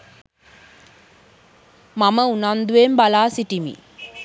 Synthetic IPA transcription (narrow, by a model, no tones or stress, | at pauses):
maməunand̪uembalaːsiʈimḭ